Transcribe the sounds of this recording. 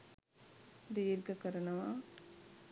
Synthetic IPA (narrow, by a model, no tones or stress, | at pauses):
d̪iːɾɡɐkəɾɐnɐʋaʔ